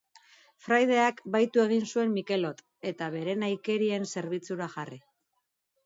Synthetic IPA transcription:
fɾajð̞e̞akbajt̪ue̞ɣ̞insue̞mmːike̞lo̞t̪ | e̞t̪aβe̞ɾe̞najke̞ɾie̞nse̞ɾβit͡suɾaʝari

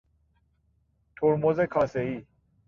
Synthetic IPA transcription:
t̪ʰoːɾmozekʰaːsei

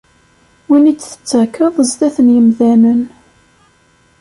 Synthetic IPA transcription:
winit͡sːθə̥t͡sːækːəðˤəzt̪æθənjəmðænən

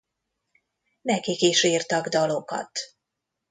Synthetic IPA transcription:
nɛkikiʃiːrt̪ɒɡd̪ɒlo̞kɒ̰t̪

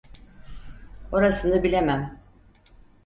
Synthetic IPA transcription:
o̞ɾasɯnɯbilʲemæm

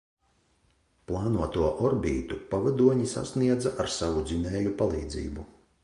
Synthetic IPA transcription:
plˠɑːnuɔt̪uɔʔɔɾbʲiːt̪upavad̪uɔɲisa̰sniɛd̪zaʔaɾsavud̪zʲinɛːjupalˠiːd̪zḭːbu

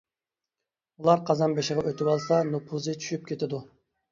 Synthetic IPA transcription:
ulˠɑɾqʰɑzɑnbeʃɪʁɑʔøt̪ʰɪwɑlˠsɑnupʰuzɨt͡ʃʰy̥ʃyp̚kʲʰet̪ʰɪd̪u

